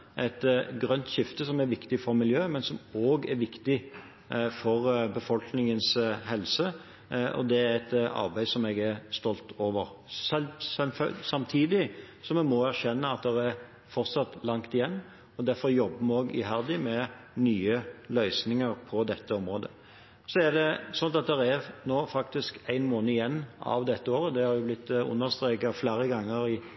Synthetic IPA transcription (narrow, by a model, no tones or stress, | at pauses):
ʔæɪt̪ɡɾœnt̪ɕɪft̪əsɔmæɾʋɪkt̪ɪfɔɾmɪljøːmɛnsɔmoːɡæɾʋɪkt̪ɪ | fɔɾbəfɔlknɪŋənshɛlsə | ʔɔ̰d̪ɛæɾɛt̪ɑ̰ɾbæɪsɔmɛːɡæɾst̪ɔlt̪ʰoːʋəɾ | ssfsɑmt̪ʰiːd̪ɪ | sɔmɛmɔæɾɕɛnːəɑt̪̚d̪ɛɾæɾ | fɔɾt̪sɑt̪lɑŋt̪ɪjɛnː | ɔd̪æɾfɔɾjɔbːəmɛoːɡɪ̰ɦæɾd̪ɪmɛ | nyːəlœʏsnɪŋəɾpʰɔd̪ɛt̪ːəɔmɾoːd̪ə | sɔæɾd̪ɛsɔnːɑt̪̚d̪ɛɾæɾnoːfɑkt̪ɪskæɪnmoːnəɪjɛnːɑ̰ʋd̪ɛt̪ːəoːɾəd̪ɛhɑɾjʊblɪt̪ːʊ̰nːəɾst̪ɾeːkɑfleːɾəɡɑŋːəɾɪ